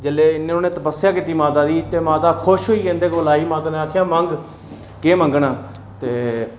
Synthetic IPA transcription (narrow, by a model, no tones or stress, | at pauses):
d͡ʒəleːɪnːẽːoːnẽːt̪əpəsːjaːkit̪iːmaːt̪aːd̪iːt̪eːmaːt̪aːkʰʊʃɦoːiːkẽːnd̪eːkʋəlaːiːmaːt̪aːnẽːaːkʰjãːməŋɡ | keːməŋɡnãː | t̪eː